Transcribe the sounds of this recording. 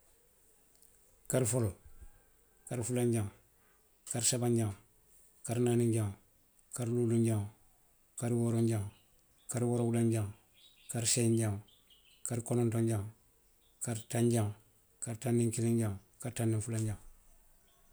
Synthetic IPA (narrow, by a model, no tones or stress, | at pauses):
kaɾfolo | kaɾfulaɲɟaŋ | kaɾsabaɲɟaŋ | kaɾnaːniɲɟaŋ | kaɾluluɲɟaŋ | kaɾwoɾoɲɟaŋ | kaɾwowulaɲɟaŋ | kaɾseiɲɟaŋ | kaɾkonontoɲɟaŋ | kaɾtaɲɟaŋ | kaɾtanːiŋkiliɲɟaŋkaɾtanːiŋfulaɲɟaŋ